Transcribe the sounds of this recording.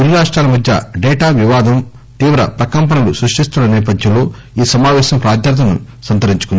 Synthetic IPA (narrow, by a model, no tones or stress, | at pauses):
uɾiɾaːʂʈɾaːlɐmɐd̪ʱjɐ̰ɖɛːʈaːʋiʋaːd̪ɐm | t̪iːʋɾɐ̰pɾɐkɐmpɐnɐlusɾuʂʈist̪unːɐnɛːp̬ɐd̪ʱjɐmlo̞ː | iːsɐmaːʋɛːʃɐmpɾaːd̪ʱjaːt̪ɐnṵsɐnt̪ɐɾiɲt͡ʃukund̪ii